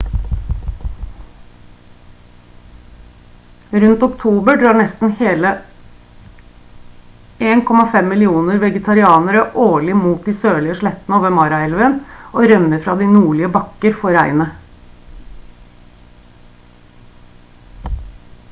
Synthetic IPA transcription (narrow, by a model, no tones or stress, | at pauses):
ɾʉnt̪ʊkt̪ʰuːbəɖɾɑːɳɛst̪n̩heːlə | eːnkʰɔmɑfɛmːɪlɪuːnəɾʋɛɡət̪ʰɑɾɪɑːnəɾəʔoːɭɪmuːt̪̚d̪iːsøːɭɪəʂɭɛt̪ːnəoːʋəmɑːɾɑɛlʋənʔoːɾœnəɾfɾɑd̪ɪnuːɭɪəbɑkːəɾfɔɾæɪnə